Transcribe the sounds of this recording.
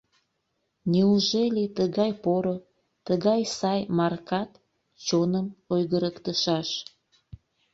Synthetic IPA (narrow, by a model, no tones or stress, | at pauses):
nʲiuʒelʲet̪əɣɑjpoɾo | t̪əɣɑjsɑjmɑrkɑt̪ | t͡ɕonəmojɣəɾəkt̪əʃɑʃ